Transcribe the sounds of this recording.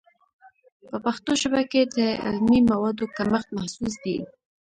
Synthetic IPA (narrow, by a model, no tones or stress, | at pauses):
pəpaxt̪oʃabaked̪əɪ̰lmimawɑd̪okaməxt̪̚mahsus̬d̪i